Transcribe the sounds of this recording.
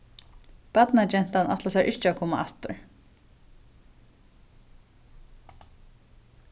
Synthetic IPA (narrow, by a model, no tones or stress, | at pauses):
pat̪nat͡ʃɛn̥t̪anʔa̰t̪lasɛɹʔɪt͡ʃɪakʰɔːma̰ʔa̰ft̪ʊ̰ɹ